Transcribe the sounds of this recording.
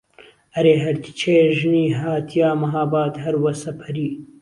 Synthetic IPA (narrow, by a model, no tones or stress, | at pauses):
ɐɾeːɦɐɾt̪ʰi̥t͡ʃʰeːʒɨniːɦaːt̪ʰijaːmɐɦaːbaːt̪ɦɐɾwɐsɐpʰɐɾiː